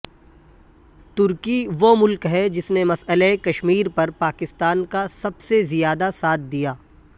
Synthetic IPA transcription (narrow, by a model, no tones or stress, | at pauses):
t̪ʊɾkiʋomʊlkɦɛd͡ʒɪsnemɐsəlekɐʃmiːɾpɐɾpaːkɪst̪aːnkasɐbsezijaːd̪asaːt̪̚ʰd̪ijaː